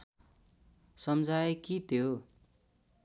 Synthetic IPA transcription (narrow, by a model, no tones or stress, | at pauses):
sʌmd͡zaekit̪ʰjo